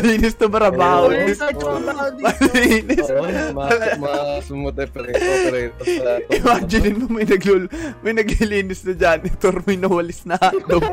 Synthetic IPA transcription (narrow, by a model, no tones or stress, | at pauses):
liːnɪst̪ɐmɾɐbaːhonɪs | mɐllinɪsɐlɐmt̪ | ʔɪwaːd͡ʒɪnɪnmomɐjnɐɡlmɐjnɐɡliliːnɪsnɐd͡ʒanɪt̪oɾmɐjnɐwɐlɪsnɐd̪o